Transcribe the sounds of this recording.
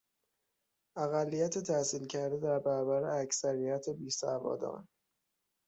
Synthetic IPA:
ʔæɣælːijæt̪ʰet̪ʰæsiːlcʰæɾd̪e̞d̪æɾbæɾɒbæɾeæcsæɾijæt̪ʰebiːsævɒ̰ːd̪ɒ̰ːn

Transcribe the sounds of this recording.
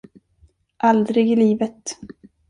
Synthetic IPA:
ʔald̪ɾɪɡɪliːvət̪

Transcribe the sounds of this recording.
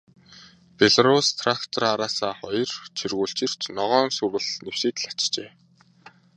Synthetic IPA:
peɮaɾust̪ʰrakt̪ʰɔraɾaːsaːχɔjɞ̆rt͡ɕʰirɣuːɬt͡ɕɪ̆r̥t͡ɕnɔʁɔːnsurɣɘ̆ɮnewseːt̪̆ɮḁt͡ɕt͡ɕeː

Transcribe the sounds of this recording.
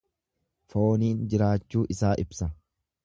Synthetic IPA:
fo̞ːniːnd͡ʒɪɾaːt͡ʃːuːʔɪsaːʔɪbsɐ

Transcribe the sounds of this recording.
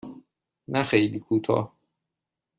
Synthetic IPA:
næxejliːkʰuːt̪ʰɒ̰ːh

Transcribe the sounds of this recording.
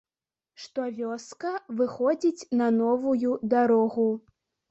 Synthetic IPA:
ʂt̪ɔvʲɔskɐvɨxɔd͡zʲit͡sʲnɐnɔvujud̪aɾɔɣu

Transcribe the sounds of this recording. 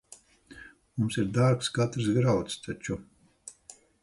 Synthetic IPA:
mumsiɾd̪aɾkskat̪ɾsɡɾawt̪st̪ʰat͡ʃu

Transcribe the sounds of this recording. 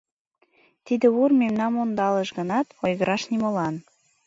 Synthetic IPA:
t̪id̪ĕurmemnɑmond̪ɑləʃɣə̆nɑt̪ojɣəɾɑʃnimolɑn

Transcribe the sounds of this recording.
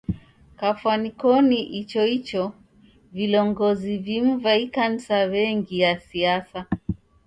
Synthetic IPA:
kafwanikɔniʔit͡ʃɔit͡ʃɔ | vilɔŋɡɔzivim̩vaikan̩sawɛŋɡijasiasa

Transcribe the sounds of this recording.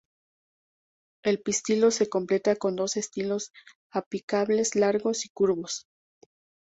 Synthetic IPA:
e̞lpist̪ilo̞se̞ko̞mple̞t̪ako̞nd̪o̞se̞st̪ilo̞s | apikaβle̞slaɾɣo̞sikuɾβo̞s

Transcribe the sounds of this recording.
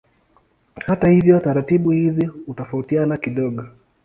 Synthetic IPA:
hatahivjɔtaɾatiɓuhizihutɔfautianakiɗɔɠɔ

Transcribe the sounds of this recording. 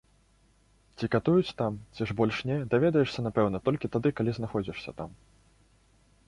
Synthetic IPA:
t͡sʲikat̪ujut͡sʲt̪amt͡sʲiʐbɔlʲʂnʲɛd̪avʲɛd̪ɐjɛʂsʲɐnapɛwn̪ɐt̪ɔlʲkʲit̪ad̪ɨkalʲiznaxɔd͡zʲiʂsʲɐ̰t̪am

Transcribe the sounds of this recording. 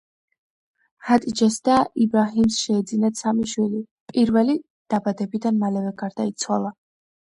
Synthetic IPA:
hat̪ʼid͡ʒɛsd̪aibɾaɦimsʃɛːd̪zinat̪samiʃwili | pʼiɾvɛli | d̪̥abad̪ɛbid̪anmalɛvɛɡaɾd̪ait̪sʰwalˠa

